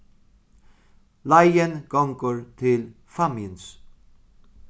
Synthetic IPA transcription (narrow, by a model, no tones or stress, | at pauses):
lajənɡ̥ɔŋkəɹt̪ʰɪl | famjəns